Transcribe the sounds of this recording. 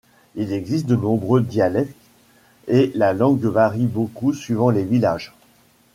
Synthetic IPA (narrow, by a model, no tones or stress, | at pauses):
ilɛɡzist̪̚d̪ənɔ̃bʁød̪jalɛk̚t̪ | elalɑ̃ɡvaʁibokusɥivɑ̃levilaʒ